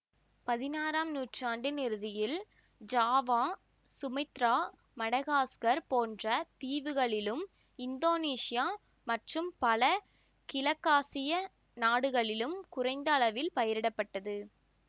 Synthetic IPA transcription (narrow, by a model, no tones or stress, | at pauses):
pɐðɪnaːɾaːmnuːʈraːɳɖɯnɪɾɯðɪjɪl | d͡ʒaːʋãː | sʊmɐɪt̪ɾaː | mɐɽɐɣaːskɐɾpoːndrɐt̪iːʋɯɣɐɭɪlɯm | ɪnd̪oːniːsɪjaː | mɐʈrɯmpɐlɐ | kɪlɐkːaːsɪjɐ | naːɽɯɣɐɭɪlɯmkʊrɐɪnd̪ɐːɭɐʋɪlpɐjɐɾɪɽɐpːɐʈːɐðɯ